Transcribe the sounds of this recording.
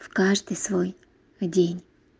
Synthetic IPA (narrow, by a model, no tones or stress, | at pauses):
fkaʐd̪ɨjsvoj | dʲenʲ